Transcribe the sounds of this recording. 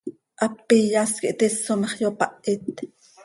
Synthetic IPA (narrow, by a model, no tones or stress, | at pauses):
ʔɑpːijaskiʔt̪esomɑχjopɑʔit̪